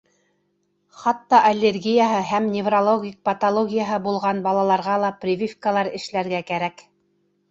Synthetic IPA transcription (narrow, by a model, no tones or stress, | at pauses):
χɑt̪ːɑʔɐlʲːerɡʲijaɦɤɦæmnʲɪvrolˠoɡʲik̚pɐt̪olˠoɡʲijaɦɤbulˠʁɑnbɑlˠɑlˠɑɾʁɑlˠɑprʲɪvʲifkəlˠɑɾɘ̆ʃlæɾɡækæɾæk